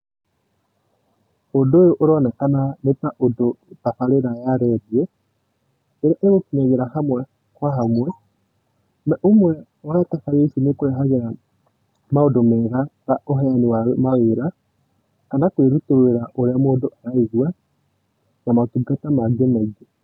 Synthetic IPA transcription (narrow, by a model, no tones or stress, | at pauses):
odoːjoʔoɾɔnɛkananetaʔodotafaɾeɾajaɾɛðiɛ | eɾaʔeɣokinaɣeɾahamwɛ | kwahamwɛ | naʔomwɛ | waatafaɾesinekoɾeɦaɣeɾa | maodomɛɣataoɦɛanewamaweɾa | kanakweɾutoeɾaʔoɾeamoːndoʔaɾaiɣwa | namatuɡatamaɡemaiɡe